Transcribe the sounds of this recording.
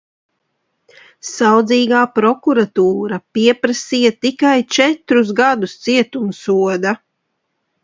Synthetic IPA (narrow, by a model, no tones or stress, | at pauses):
sawd̪ziːɡaːpɾɔkuɾat̪uːɾapiɛpɾasiːjat̪ikajt͡ʃɛt̪ɾuzɡad̪ust̪siɛt̪umsuɔd̪a